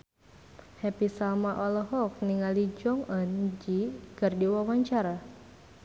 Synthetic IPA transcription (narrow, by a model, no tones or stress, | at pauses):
hɛpisalmaʔɔlɔɦɔk̚niŋalid͡ʒɔŋənd͡ʒiɡ̥ardiwawaɲt͡ʃaɾa